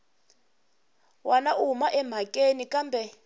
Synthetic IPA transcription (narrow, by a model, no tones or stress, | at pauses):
wanaʔumaʔɛm̤ʱakʼenikʼambʱɛ